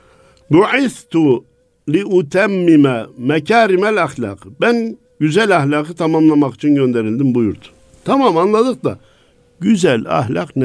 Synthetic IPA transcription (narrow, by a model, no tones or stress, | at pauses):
buʕiθt̪u | liʔut̪ʰæmːimæmæcʰaːɾimælaxlɑ̰ːqbæn | ɟyzælʲɑxlʲɑːqʰɯt̪ʰamamlˠamɑqi̥t͡ʃʰinɟø̞nd̪eɾild̪imbujuɾd̪u̥ | t̪ʰɑmamɑnlˠad̪ɯq̚d̪a̰ | ɟyzælɑ̰hlɑ̰qn